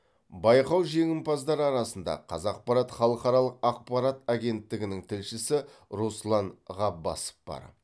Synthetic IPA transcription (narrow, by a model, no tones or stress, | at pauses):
bɑjqɑwʒe̞ŋʲɪmpɑzd̪ɑɾɑɾɑsənd̪ɑ̰qʰɑzɑq̚pɑɾɑt̪χɑlˠəqɑɾɑlˠəqɑq̚pɑɾat̪aɡʲe̞nt̪ːɪɡʲɪnɪŋt̪ʰɪlʃɪsɪɾuslˠɑnʁɑbɑ̰sə̥p̚b̥ɑ̰ɾ